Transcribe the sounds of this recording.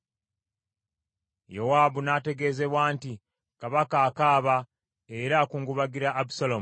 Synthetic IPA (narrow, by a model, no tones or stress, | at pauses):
jowaːbunate̞ɡe̞ːze̞βwaːnti | kaβakaːkaːβa | eɾakuːŋɡuβaɡiɾaʔːbu̥salomu